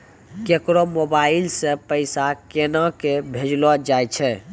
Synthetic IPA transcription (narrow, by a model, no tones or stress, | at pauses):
kekɾomobailsẽpəɪsakenakebʱed͡ʒlɔd͡ʒajt͡ʃʰɛ